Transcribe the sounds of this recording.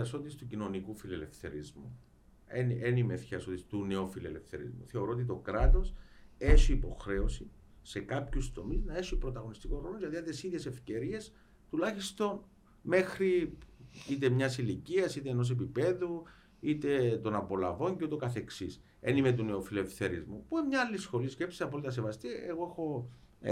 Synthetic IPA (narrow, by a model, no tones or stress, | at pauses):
ɐso̞t̪ist̪ucino̞nikufilele̞fθe̞ɾizmu | enenimefçɐsot̪ist̪uneofilḛlefθe̞̰ɾḭzmṵθe̞o̞ɾoot̪it̪o̞kɾɐt̪o̞se̞ʃiːpo̞xɾe̞osi | sekɐpçust̪o̞miznɐeʃipɾo̞t̪ɐɣo̞nist̪iko̞ɾolozʝɐt̪iɐd̪esiðʝe̞se̞fce̞ɾie̞s | t̪ulɐçist̪o̞n | me̞xɾi | it̪emɲɐsiliciɐsit̪eːno̞s̬e̞pipe̞ðu | it̪e̞t̪o̞nɐpo̞lɐvo̞ɲceut̪okɐθe̞ksis | enimet̪̬une̞ofilefθe̞ɾḭzmupuemɲɐɐlːisxo̞lisce̞psisɐpolit̪ɐs̬evɐst̪ieɣoexo̞